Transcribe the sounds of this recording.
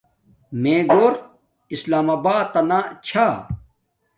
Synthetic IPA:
mẽːɡoːɾ | islaːmaːbaːt̪ːɐnat͡ɕʰaː

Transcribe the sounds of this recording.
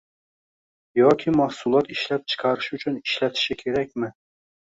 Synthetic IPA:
jokʲʰimɑhsulˠɑt̪iʃlɛp̚t͡ʃʰɨ̥qʰɑɾɯʃyt͡ʃʰyniʃlɛt̪ʰɪ̥ʃɪkʲʰeɾɛk̚ʲmɪ

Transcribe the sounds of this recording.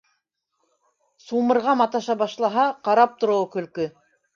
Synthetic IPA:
sumɤ̆ɾʁɑmɑt̪ɑʃɑbɑʃlˠɑɦɑqɑɾɑp̚t̪ŏɾŏwɤkɵ̆lkɵ

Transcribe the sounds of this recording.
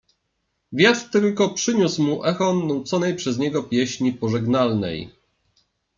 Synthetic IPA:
vʲjat̪ɾt̪ɘlkɔpʂɘɲusmuʔɛxɔnːawt̪sɔnɛjpʂɛzɲɛɡɔpʲjɛɕɲipɔʐɛɡnalnɛ̰j

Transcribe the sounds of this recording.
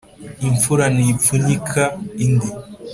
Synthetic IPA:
iɱfuɾanipunikʰaindi

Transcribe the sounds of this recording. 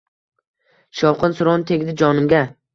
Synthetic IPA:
ʃɒwqɨnsʊɾɒnɪt̪ʰe̞ɡʲɪd̪ɪd͡ʒɒnɪmɡʲa

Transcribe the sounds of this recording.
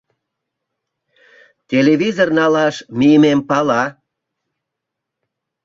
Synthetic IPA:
t̪ʲeleβizornɑlɑʃmijəmempɑlɑ

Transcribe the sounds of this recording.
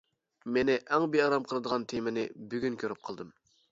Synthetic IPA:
menɪʔɛŋbeɑɾɑmqʰəlˠɨd̪əʁɑnt̪ʰemɪnɪbyɡʲynkʲʰøɾyp̚qʰəlˠd̪ɨm

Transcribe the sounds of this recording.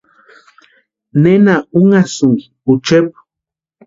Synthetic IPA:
nenauŋasʊŋɡi | ut͡ʃep

